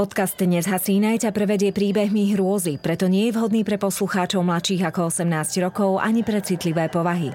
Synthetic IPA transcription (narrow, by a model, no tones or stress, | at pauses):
pɔt̪kazd̪ɲɛzɦasiːnajcapɾɛʋɛɟɪɛpɾiːbɛɦmiɦɾʊɔzipɾɛt̪ɔɲɪɛjɛvɦɔd̪niːpɾɛpɔsluxaːt͡ʃɔʊmlat̪ʃiːɣakɔɔsɛmnaːzɟ̥ɾɔkɔʊʔa̰ɲipɾɛt͡sit̪liʋɛːpɔʋaɦi